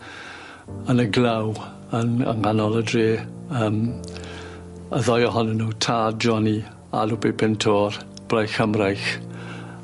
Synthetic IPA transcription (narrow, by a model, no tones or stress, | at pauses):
ənəɡlaw | ənə̰ŋanɔlˠədriːəːm | əðɔjɔɦɔnənːuːtʰaːdd͡ʒɔni | a̰lubepʰɪntʰɔr | b̥rajxəmrajx